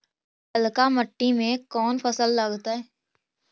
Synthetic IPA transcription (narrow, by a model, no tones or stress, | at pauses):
pəlkaməʈːimẽkɔːnfəsəlːɐɡt̪aɦɛː